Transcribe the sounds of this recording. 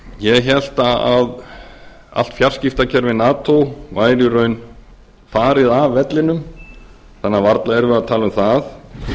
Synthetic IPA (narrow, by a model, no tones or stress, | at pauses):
jɛçɛl̥t̪aað | a̰l̥t̪fjar̥scɪft̪acʰɛɾvɪnaːt̪ʰowvaːjɾʏɾœɥn | faːɾɪðavːɛt̪lɪnʏm | θanːavaɾt̪laɛɾvʏat̪ʰaːlʏmθaθ